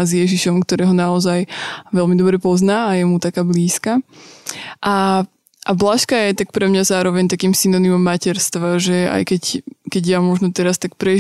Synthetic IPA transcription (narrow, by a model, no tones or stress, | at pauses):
zjɛʒiʃɔmkt̪ɔɾɛːɦɔnaɔzajʋɛlmid̪ɔbɾɛpɔznaːjɛmut̪akaːbliːska | ʔa | ʔablaʃkajɛt̪ak̚pɾɛmɲazaːɾɔʋɛɲt̪akiːmsinɔnimɔmːacɛɾst̪ʋaʒɛa̰jkɛckɛɟjamɔʒnɔt̪ɛɾast̪ak̚pɾɛ